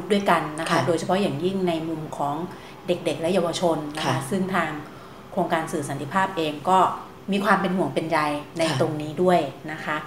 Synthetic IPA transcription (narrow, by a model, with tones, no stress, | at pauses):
u˦˥t̚du˥˩əjka˧nːa˦˥kʰa˦˥doː˧jt͡ɕʰa˧pʰɔ˦˥jaː˨˩ŋji˥˩ŋna˧jmu˧mkʰɔː˩˦ŋ | de˨˩k̚de˨˩k̚lɛ˦˥ja˧wa˧t͡ɕʰo˧nːa˦˥kʰa˦˥sɯ˥˩ŋt̪ʰaː˧ŋ | kʰɾoː˧ŋkaː˧nsɯː˨˩sa˩˦nt̪ʰi˧˩pʰaː˥˩p̚ʔeː˧ŋkɔː˥˩ | miː˧kʰwaː˧mpe˧nɦu˩˦əŋpe˧nja˧jna˧jjt̪o˧ŋniː˦˥du˥˩əjna˦˥kʰa˦˥ʔ